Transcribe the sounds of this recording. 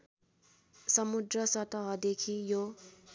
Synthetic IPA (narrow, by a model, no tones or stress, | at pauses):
sʌmud̪rʌsʌt̪ʌɦʌd̪ekʰijo